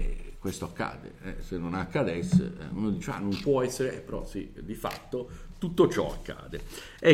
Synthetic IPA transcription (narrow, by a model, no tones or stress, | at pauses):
ɛkwest̪oakːa̰ːd̪ḛɛsenːonakːad̪ɛsːḛmod̪it͡ʃea̰nompwɔɛsːeɾeɛ̰pːeɾɔ̰sḭd̪ifa̰t̪ːot̪ut̪ːot͡ʃɔ̰a̰kːa̰ːd̪e | ɛ